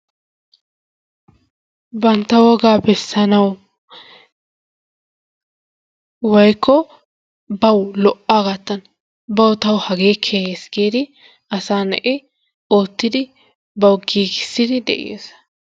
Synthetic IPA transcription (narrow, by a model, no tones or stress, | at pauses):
bɐnt̪ːɐwɔɡaːbɛsːɐnɐw | wɔjkːɔ | bɐwlɔʔːaːɡɐt̪ːɐn | bɐwt̪ɐwhɐɡeːkʰesɡeːd̪ɪ | ʔɐsaːnɛ̰ʔɪ | oːt̪ːɪd̪ɪ | bɐwɡiːɡɪ̥sːɪd̪ɪd̪ɛ̰ʔɪ̰jḛs